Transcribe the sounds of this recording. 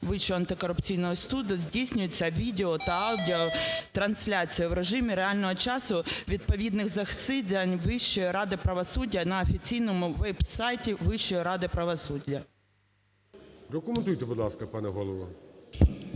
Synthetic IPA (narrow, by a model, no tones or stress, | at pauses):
ʋɪt͡ʃːɔɐnt̪ɪkɔɾʊpt͡sʲijnɔɦɔst̪ud̪ʲzʲdʲisʲnʲʊjet͡sʲːɐʋʲid̪ʲeɔt̪ɐɑwdʲiɔt̪ɾɐnsʲlʲat͡sʲijɐwɾeʒɪmʲiɾeɑlʲnɔɦɔt͡ʃɑsʊʋʲid̪̚pɔʋʲid̪nɪxzɐxt̪sɪd̪ɐnʲʋɪʃt͡ʃɔjiɾɑd̪ɪpɾɐʋɔsudʲːɐnɐɔfʲit͡sʲijnɔmʊʋɛbsɑjtʲiʋɪʃt͡ʃːɔjiɾɑd̪ɪpɾɐʋɔsudʲːɐ | ɾɐkʊment̪ujt̪ɛbʊd̪lˠɑskɐpɑnɛɦɔlˠɔʋɔ